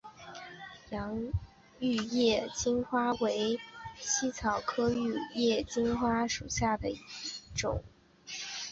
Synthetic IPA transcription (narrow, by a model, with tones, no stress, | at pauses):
jɑ˧˥ŋ | y˥˧jɛ˥˩t͡ɕi˥nxwa˥we˧˥ɪɕi˥t͡sʰɑ˨˩ʊkʰɤ˥y˥˧jɛ˥˩t͡ɕi˥nxwa˥ʂu˨˩ɕja˥˩d̪ə˩i˥˧˥ʈ͡ʂʊ̰˨˩˦ŋ